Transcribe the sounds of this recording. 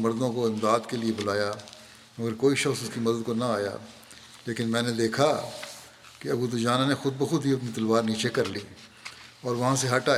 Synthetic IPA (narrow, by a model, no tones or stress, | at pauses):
mɐɾd̪õkoɪ̃md̪aːd̪keliebʊlaːja | mɐɡəɾkoːiʃɐxsʊskimɐd̪əd̪̚konaaːja̰ː | leːkɪnmɛ̃ːned̪eːkʰa | keɐbud̪ʊd͡ʒaːnanexʊd̪̚bɐxʊd̪ʱiɐp̬nit̪ɐlʋaːɾniːt͡ʃekɐɾliː | ɔːɾʋɐɦãseɦɐʈaː